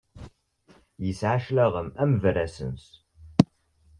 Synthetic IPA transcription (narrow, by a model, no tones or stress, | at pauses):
jəsʕaʃləʁəmæmvəræsə̰ns